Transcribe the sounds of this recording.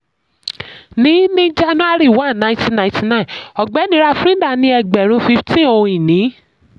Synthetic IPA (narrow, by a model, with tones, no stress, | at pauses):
nĩ˨˦nĩ˦d͡ʒa˦nũ˦a˦˨ɾi˦˨wã˦˨nã˧˦ti˧nã˧˨ĩ˦ti˨˧nã˦ĩ˨ɔ˨ɡ͡bɛ˨˦nĩ˧˦ɾa˧˨fɾĩ˦da˦˨nĩ˧˦ɛ˧ɡ͡bɛ˨ɾ̃ũ˧˦fi˧ftĩ˦õ˧ĩ˨nĩ˨˦